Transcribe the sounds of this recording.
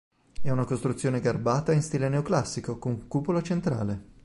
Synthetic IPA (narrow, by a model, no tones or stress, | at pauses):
ɛunakost̪ɾut̪sjoːneɡarbaːt̪ainst̪ileneoklasːikokoŋkuːpolat͡ʃent̪ɾa̰ːle